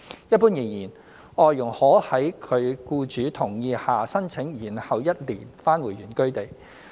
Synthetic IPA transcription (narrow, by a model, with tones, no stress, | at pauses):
jɐ˥t̚puː˥njɪ˨˩ŋjiː˨˩n | ɔː˨jjʊ˨˩ŋhɔː˨˥hɐ˨˥jkʰɵ˨˧ɥkuː˧t͡ʃyː˨˥t̪ʰʊ˨˩ŋjiː˧haː˨sɐ˥nt͡sʰɪ˨˥ŋjiː˨˩nhɐ˨wjɐ˥t̚liː˨˩nfaː˥nwuː˨˩jɥyː˨˩nkɵ˥ɥt̪e˨˩j